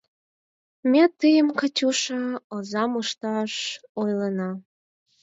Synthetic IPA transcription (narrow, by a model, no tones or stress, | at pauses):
met̪ːɨjəmkət͡ɕuʃəozɑmuʃt̪ɑʃojlənɑ